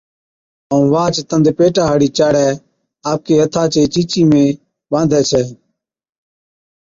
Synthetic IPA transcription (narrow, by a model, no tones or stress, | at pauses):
əũːʋaːt͡ʃt̪ənd̪epeːʈaːɦaːɽiːt͡ʃaːɽɛː | aːp̚keːɦət̪ʰaːt͡ʃeːt͡ʃiːt͡ʃiːmẽː | ɓãːnd̪ʱɛːsʰɛː